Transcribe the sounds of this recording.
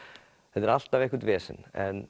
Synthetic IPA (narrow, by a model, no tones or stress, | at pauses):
θɛt̪ɪɾal̥t̪avehkʏɾt̪vɛːsɪ̰nɛn